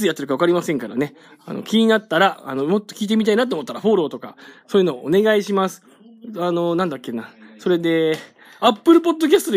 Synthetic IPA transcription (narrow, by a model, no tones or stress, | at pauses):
ɨjat̪ːeɾɯkaβakaɾʲimasẽ̞ŋkaɾa̰ne̞ | a̰no̞̰kʲiɲ̟inat̪ːaɾaa̰no̞mo̞t̪ːo̞kʲiːt̪e̞mʲit̪ainat̪̬ːoomot̪ːaɾaɸo̞ːɾo̞ːt̪o̞ka̰so̞ːjɯ̟no̞oone̞ɡaiɕimasɨ̥ | ano̞nãnd̪akʲːe̞naso̞ɾe̞d̪e̞ | apːɯ̟ɾɯ̟p̬o̞d̪ːo̞k̬ʲasɨ̥t̪o̞d̪e